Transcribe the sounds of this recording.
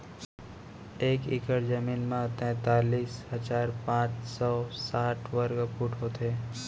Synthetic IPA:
eːkɪ̰kəɾd͡ʒəmiːnmãt̪ɛ̃ːt̪aːliːsɦəd͡ʒaːɾpãːt͡ʃsɔːsaːʈʰʋəɾɡəpuʈɦoːt̪ʰeː

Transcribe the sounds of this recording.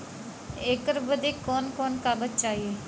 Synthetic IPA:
eːkəɾbəd̪eːkːoːnkoːnkaːbət̪̚t͡ʃaːiː

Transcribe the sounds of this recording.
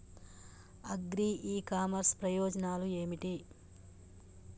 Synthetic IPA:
ɐɡɾiːiːkaːmɐɾspɾɐjɔːd͡ʒɐnaːlue̞ːmiʈi

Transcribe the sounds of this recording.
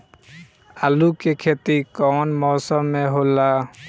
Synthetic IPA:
alukekʰet̪ikɔnmɔːsəmːeɦola

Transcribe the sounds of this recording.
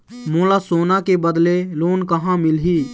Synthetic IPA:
moːlasoːnakebəd̪leloːnkɐɦãmɪlɦiː

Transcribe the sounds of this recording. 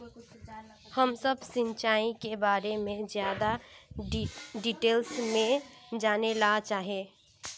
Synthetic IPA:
həmsəbsɪ̃nt͡ʃaːĩkebaːɾemẽzjaːd̪a | ɖiʈeːlsmẽd͡ʒaːnelat͡ʃaːɦẽ

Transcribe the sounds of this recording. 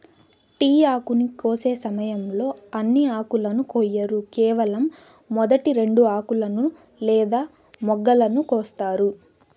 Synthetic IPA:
ʈiːaːkunikoːse̞ːsɐmɐjɐmlo̞ːɐnːiaːkulɐnukɔjːɐɾukɛːʋɐlɐmː | ɔd̪ɐʈiɾe̞ɳɖuaːkulɐnu | lɛːd̪aː | mɔɡːɐlɐnukɔːst̪aːɾu

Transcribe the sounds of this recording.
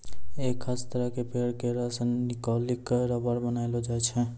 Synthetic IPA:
ekʰast̪əɾəɦkepeɽkeɾasənnikɔlikɾəbəɾbənajlod͡ʒajt͡ʃʰɛ̃

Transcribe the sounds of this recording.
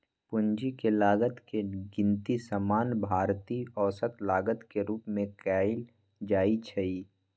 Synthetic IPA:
pʊɲd͡ʒikelaːɡət̪keɡɪ̃nt̪isəmaːnbʱaːɾt̪iɔːsət̪laːɡət̪keɾuːpmẽkaːɪl | d͡ʒaːit͡ʃʰɐiː

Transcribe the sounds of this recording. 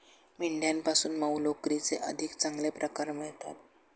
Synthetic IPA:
miɳɖʱjampasuːnməwlokɾit͡seʔəd̪ʱikt͡saŋɡlepɾəkaɾməjet̪a̰t̪̚

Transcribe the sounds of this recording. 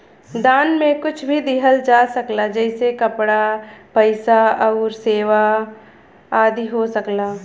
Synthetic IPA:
d̪aːnmẽkʊt͡ʃʰbʱid̪ɪɦəld͡ʒaːsɐklad͡ʒɛːsekɐpɽapɐɪsaɐʊɾseːʋa | aːd̪ʱiɦosɐklaː

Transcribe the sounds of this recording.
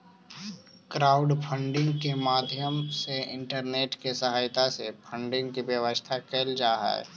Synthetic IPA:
kɾaːʊɖpʰə̃ɳɖɪ̃ŋɡkemaːd̪ʱjəmseɪ̃ɳʈəɾneːʈkesəɦaːjt̪asepʰə̃ɳɖɪ̃ŋɡkiʋjəʋəst̪ʰakeːld͡ʒaːɦɛ̰ː

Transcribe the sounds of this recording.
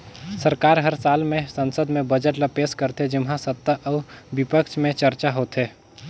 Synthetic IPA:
səɾkaːɾɦəɾsaːlmẽsə̃nsəd̪mẽbəd͡ʒəʈləpeːskəɾt̪ed͡ʒɪmɦãsət̪ːaʔɔːbɪpəkt͡ʃmẽt͡ʃəɾt͡ʃaɦoːt̪eː

